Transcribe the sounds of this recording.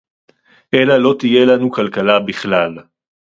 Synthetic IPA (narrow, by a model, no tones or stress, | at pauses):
ʔe̞lalo̞t̪ije̞lanukalkalabiχlal